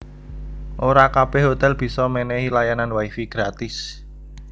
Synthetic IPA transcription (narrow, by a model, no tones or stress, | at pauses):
ʔoɾakab̥ɛhɦot̪ɛlb̥i̤sɔmenɛhilajananwaifiɡ̥ɾat̪ɪs